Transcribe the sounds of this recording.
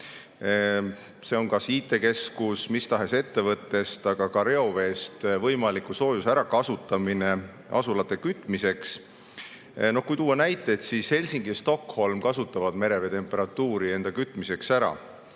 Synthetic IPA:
se̞o̞ŋkɑsiːt̪ˑːe̞ke̞skusmist̪ɑɦe̞se̞t̪ːe̞vɤt̪ːˑe̞st̪ɑɡ̥ɑkɑɾe̞ove̞ːst̪vɤjmɑlikuso̞ːjusæɾɑkɑsut̪ːˑɑmine̞ | ʔɑ̰sulɑt̪ːˑekyt̪ːˑmise̞ks | no̞hkujt̪uwːɑnæjt̪ːˑeːt̪sishe̞lʲsiŋɡ̥ist̪o̞kho̞lmkɑsut̪ːˑɑvɑd̪̥me̞ɾe̞ve̞t̪e̞mpːˑe̞ɾɑt̪ːuːɾie̞nd̪̥ɑkyt̪ːˑmise̞ksæɾɑ̰

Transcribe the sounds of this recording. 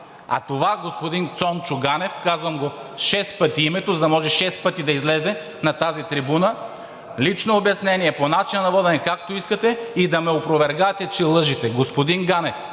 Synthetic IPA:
ɐ̰t̪ovaɡospod̪int̪sɔnt͡ʃʊɡanɛfkazvɐmɡoʃɛspɤt̪iimɛt̪ozɐd̪ɐmɔʒɛʃɛspɤt̪id̪ɐizlɛzɛ | nɐt̪azit̪ɾibunə | lit͡ʃnoːbjɐsnɛniɛponat͡ʃinɐnɐvɔd̪ɛnɛkak̚t̪oiskət̪ɛid̪ɐmɛopɾovɛɾɡat̪ɛt͡ʃɛlˠɤʒit̪ɛɡospod̪inɡanɛf

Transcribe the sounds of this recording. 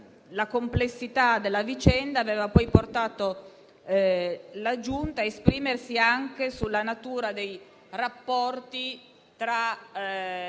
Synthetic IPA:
lakomplesːit̪ad̪elːavit͡ʃɛnd̪aːveːvapɔjport̪aːt̪o | lad͡ʒunt̪aespɾiːmersiaŋk̟esulːanat̪uːɾad̪ej | rapːɔrt̪i | t̪ɾa

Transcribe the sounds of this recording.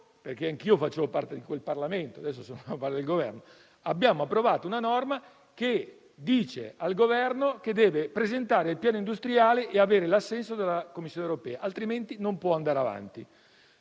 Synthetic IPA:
perk̟eaŋk̟iːofat͡ʃːeːvopa̰rt̪ed̪ikwelparlament̪oad̪ɛsːosoːnopaɾt̪ed̪elɡovɛ̰rno | abjaːmoapːɾovaːt̪ounanɔrma | ke | d̪iːt͡ʃḛalɡovɛrnoked̪ːɛːvepɾezent̪aːɾeilpjaːnoind̪ust̪ɾiaːleʔeaveːɾelasːɛnsod̪elːakomːisːjonewɾopɛːaʔalt̪ɾiment̪inompwɔand̪aːɾeava̰nt̪i

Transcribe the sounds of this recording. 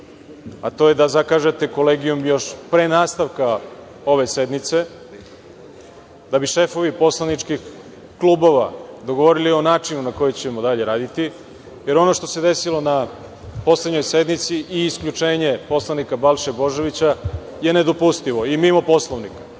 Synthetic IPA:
a̰t̪o̞jed̪azakaʒe̞t̪e̞ko̞le̞ːɡijumjo̞ʃpɾe̞ːnaːst̪aʋka | o̞ʋe̞se̞d̪nit̪se̞ | d̪abiʃe̞fo̞ʋipo̞slˠanit͡ʂkix | kluːbo̞ʋad̪o̞ɡo̞ʋo̞ɾilio̞naːt͡ʂinunako̞jet͡ɕemo̞d̪aʎe̞ɾaːd̪it̪i | je̞ɾo̞no̞ʃt̪o̞se̞d̪e̞silˠo̞na | po̞sleɲojse̞d̪nit̪siʔiːskʎut͡ʂe̞ːɲe̞po̞slˠanikabalˠʃebo̞ʒe̞ʋit͡ɕa | je̞ne̞d̪o̞pust̪iʋo̞imimo̞po̞slˠoʋnikḁ

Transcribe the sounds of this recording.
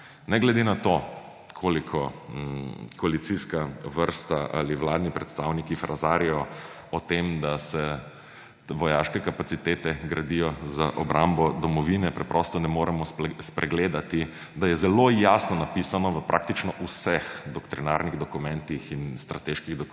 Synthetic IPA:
nɛɡlɛd̪enat̪o | kʰoːlikʰɔ | kʰɔalit̪siskaʋəɾst̪aʔa̰liʋlaːd̪nipɾɛt̪st̪awnikifɾazaːɾijɔ | ɔt̪emd̪asɛ | ʋɔjaːʃkɛkapat̪sit̪eːt̪ɛɡɾad̪ijɔzaʔɔbɾʔambɔd̪ɔmɔʋinɛpɾɛpɾɔst̪ɔnɛmoːɾɛmɔspɾɛɡleːd̪at̪i | d̪ajɛzɛlojasnɔnapisanɔʋəpɾʔaːk̚t̪it͡ʃnɔʔusɛxd̪ɔkt̪ɾinaɾniɣd̪ɔkumɛ̃nt̪ixinst̪ɾat̪eʃkiɣd̪ɔ

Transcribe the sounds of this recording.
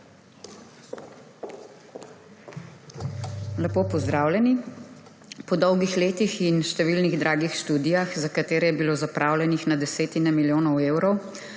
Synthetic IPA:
lɛpoːpɔzd̪ɾaːwlʲjɛni | pɔd̪ɔwɡixleːt̪ixinʃt̪ɛʋilniɣd̪ɾʔaːɡixʃt̪uːd̪ijaxzakat̪eːɾɛjɛbiloːzapɾʔaːwlʲɛnixnad̪ɛseːt̪inɛmiljoːnɔweːwɾɔw

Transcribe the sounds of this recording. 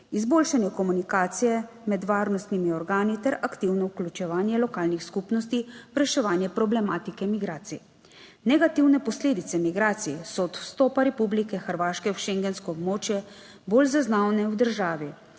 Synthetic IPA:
izboːlʃanjɛkɔmunikaːt̪sijɛ | mɛd̪ʋaːɾnɔst̪nimiɔɾɡaːnit̪ɛɾakt̪iwnɔwklʲut͡ʃɛʋaːnjɛlɔkaːlnixskupnɔst̪iwɾɛʃɛʋaːnjɛpɾɔblɛmaːt̪ikɛmiɡɾaːt̪sḭ | nɛɡat̪iwnɛpɔsleːd̪it̪sɛmiɡɾaːt̪siɛsɔːt̪wst̪ɔːpaɾɛpublikɛxəɾʋaːʃkɛwʃeŋɡɛnskɔːbmoːt͡ʃjɛ | boːlzaznaːwnɛwd̪əɾʒaːʋi

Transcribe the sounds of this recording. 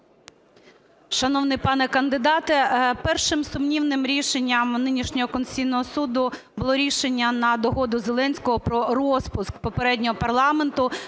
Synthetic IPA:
ʃɐnɔwnɪjpɑnɛkɐnd̪ɪd̪ɑt̪ɛpɛrʃɪmsʊmnʲiwnɪmɾʲiʃenʲːɐmnɪnʲiʃnʲɔɦɔkɔnsʲijnɔɦɔsud̪ʊ | bʊlˠɔɾʲiʃenʲːɐnɐd̪ɔɦɔd̪ʊzelˠɛnʲsʲkɔɦɔpɾɔrɔspʊskpɔpeɾɛdʲnʲɔɦɔpɐrlˠɑment̪ʊ

